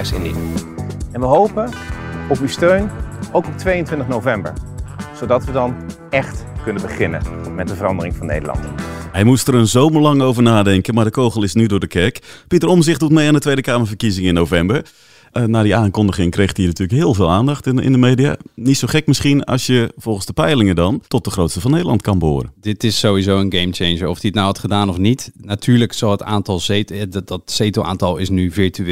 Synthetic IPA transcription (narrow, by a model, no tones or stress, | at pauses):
ɛsɪ̰nḭ | ɛnʋəɦowpənɔpywstøɥnowkɔp̚tʋejəntʋɪntəχnowvɛmbə̰ɹz̥odɑtʋədɑn | ɛχtkɵnəbəχɪnə̰mɛt̚dəvərɑndərɪŋvɑnːḛjdəlɑ̰nthɛjmustəɾənzowməɹlɑŋowvəɹnaːdɛŋkənmadəkowɣəlˠɪsnydʊːdəkʰɛrkpitərɔmzɪχtdut̚mejandətʋejdəkaːməɹfərkizɪŋɪnːowvɛmbəɹ | naːdiaːŋkɔndəχɪŋkrejxtiːnatyːləkɦɪːlˠvɪːlˠaːndɑxtɪ̰ndəmeːdija̰nitsoxɛkmɪsχinɑ̰sjəv̥ɔlˠχənzdəpɛjlɪŋədɑntɔt̚dəxrowtstəvɑnːejdəlˠɑntkɑnbo̰ːɾə̰dɪtɪsːowizoːənɡemt͡ʃenʒəɔfdiətnawhɑtχədaːnɔfnitnatʰyːɹləksɑlˠətaːntɑlˠdɔtseːtoʔa̰ːntɑlˠɪsnyviɹty